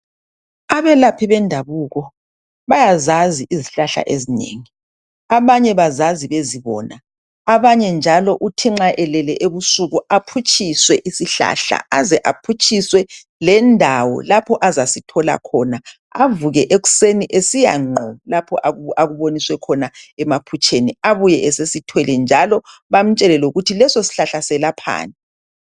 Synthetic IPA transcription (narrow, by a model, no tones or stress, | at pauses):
aβɛlapʰiβɛndʱaβuːɣɔ | βajazaziʔiziɬaɬa̰ʔezinḛːŋi | aβaɲɛβazaziβeziβɔ̰ːna | aβaɲɛnd͡ʒʱalɔʔutʰiŋ͡ǃaʔɛlɛlɛʔeβusuɣuapʰut͡ʃʰʼiswɛʔisiɬa̰ɬa̰azɛʔapʰut͡ʃʼiswɛ | lɛndʱawɔ̰lapʰɔʔazasitʰɔla̰kʰɔna | a̰vuɣɛʔeɣu̥seniʔesija̰ŋ͡ǃʱɔlapʰɔʔaaɣuβoniswɛkʰɔnaɛmapʰut͡ʃʼʰeniaβujɛʔɛsesitʰwɛlɛnd͡ʒʱalɔβam̩t͡ʃʼɛlɛlɛuɣutʰilɛsɔsi̥ɬaɬasɛlapʰa̰ːnɛ